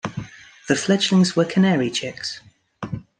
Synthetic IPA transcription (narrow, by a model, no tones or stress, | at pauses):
ðəflɛd͡ʒlɪ̃ŋzwəkʰənɛːɹit͡ʃʰɪks